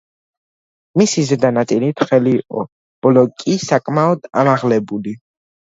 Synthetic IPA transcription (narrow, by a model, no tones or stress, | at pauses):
misizɛd̪anat̪sʼilit̪ʰχɛliːqʼɔ̰ | b̥ɔlɔkʼisakʼmaɔd̪̥a̰maʁlɛbuli